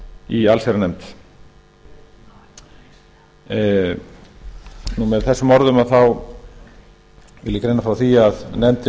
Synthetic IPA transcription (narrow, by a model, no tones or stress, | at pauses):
ialseɾanɛmt̪ | numɛðθɛsːʏmːɔɾðʏmaðθaw | vɪ̰lːɪkɾejnafɾawθiaðnɛmt̪ɪ